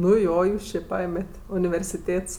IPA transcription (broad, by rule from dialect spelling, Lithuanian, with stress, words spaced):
nʊ ˈjoː ˈjuːs t͡ʃʲɪ ˈpɐeːmʲɛtʲ ʊnʲɪʋʲɛrʲsʲɪˈtʲeːts